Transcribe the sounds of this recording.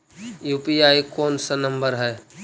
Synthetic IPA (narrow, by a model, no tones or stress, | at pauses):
juːpiaːikoːnsɐnɐ̃mbəɾɦɛː